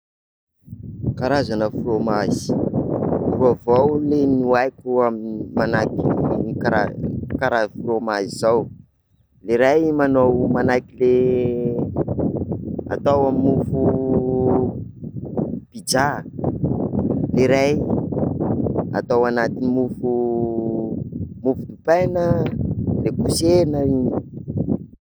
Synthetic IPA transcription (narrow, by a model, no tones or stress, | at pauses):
kaɾazanəfuɾomazi̥ | ruavawlenuajkuamnmanakikaakaɾazfuɾomazizaw | leɾajmanowmanakile | a̰t̪awamimufu | pid͡ʒa | leɾaj | a̰t̪awanat̪inimufu | mufud̪upajnə | lekusenəini̥